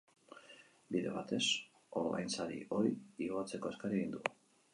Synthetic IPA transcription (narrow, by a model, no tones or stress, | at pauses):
biðe̞̰βat̪e̞s | oɾβa̰jnsaɾḭo̞jioat͡se̞ko̞eskaɾieɣind̪uɣu